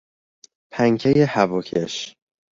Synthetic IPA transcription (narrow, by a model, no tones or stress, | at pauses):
pʰæŋkʰejehævɒkʰḛʃ